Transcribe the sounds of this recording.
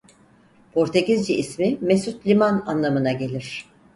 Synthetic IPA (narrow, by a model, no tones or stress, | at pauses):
pʰo̞ɾt̪ʰeɟizd͡ʒiʔismimesut̪lʲimananlˠamɯnaɟe̞lʲiɾ̝̥